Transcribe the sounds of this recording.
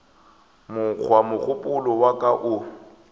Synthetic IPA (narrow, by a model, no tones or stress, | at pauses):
mʊk͡xʰwamʊk͡xʰʊpʼʊlɔwakʼaʔʊ